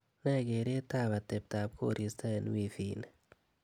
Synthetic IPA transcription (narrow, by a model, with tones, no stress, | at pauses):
nɛ˦ɡe˨ɾe˦ta˦βa˨te˨p̚ta˨b̚kʰo̰˦ɾi˨sta˦e˨n˦wi˦˨fi˨ne